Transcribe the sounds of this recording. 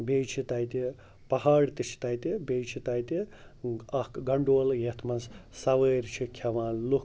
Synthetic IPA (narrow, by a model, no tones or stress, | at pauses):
beːjt͡ʃʰit̪ɐjt̪i | pɐɦaːɽt̪it͡ʃʰi̥t̪ɐjt̪ibejt͡ʃʰit̪ɐjt̪i | ɐhkɡɐɳɖoːljet̪ʰmɐnssɐʋəːɾt͡ʃʰikʰɐʋãːnlu